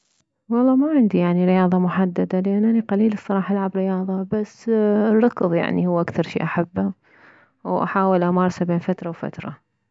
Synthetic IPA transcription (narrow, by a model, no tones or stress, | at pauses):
wɑlˤːɑːmaʕɪnd̪ijaʕniɾɪjɑːðˤɑmʊħad̪ːad̪alʔanːʔaniqaliːlɨsˤːɑɾˤɑːħɑʔalʕabɾɪjɑːðˤɑbasːrːɑkðˤja̰ʕnihʊwːʔakθɑɾˤʃḭːʔaħabːa | wʔa̰ħaːwɪlʔamɑɾˤsabeːnfat̪ɾˤɑwfa̰t̪ɾˤɑ̰